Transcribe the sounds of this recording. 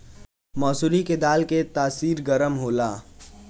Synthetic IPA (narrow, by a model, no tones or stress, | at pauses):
mɔːsuːliked̪aːlket̪aːsiːɾɡɐɾəmɦoːlaː